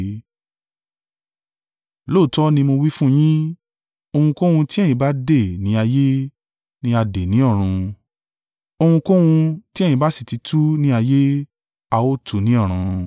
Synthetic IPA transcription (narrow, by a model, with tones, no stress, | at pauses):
lo˦˨tɔ˦nĩ˧mo˧wi˦fũ˦j̃ĩ˦ | o˧hũ˧ko˦wũ˧ti˦ɛ˦˨j̃ĩ˨˦ba˨˦de˦˨nĩ˨˦a˧je˦ | nĩ˦a˧de˨nĩ˨˦ɔ˦˨ɾ̃ũ˧ | o˧hũ˧ko˦wũ˧ti˦ẽ˦˨ĩ˧˦ba˨˦si̥˦˨ti˨˧˦tʰu˦nĩ˦a˧je˦ | a˧wo˦tʰu˨nĩ˨˦ɔ˦˨ɾ̃ũ˧